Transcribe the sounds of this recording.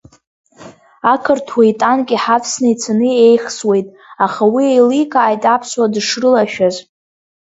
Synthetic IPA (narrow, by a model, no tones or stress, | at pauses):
akʰɨrtʰwajtʼankʲʼiħapʰsnɨit͡sʰanɨejχswe̞jtʼ | aχawiejlikʼaːjtʼapʰswadʂrɨlaʃᶣaz